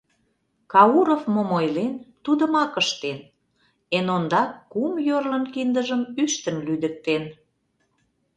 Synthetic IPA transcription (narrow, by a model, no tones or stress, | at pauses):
kɑuɾofmomojlent̪ud̪ə̆mɑkəʃt̪en | enond̪ɑkːumjørlənkind̪əʒəmyʃt̪əmlyd̪ək̚t̪en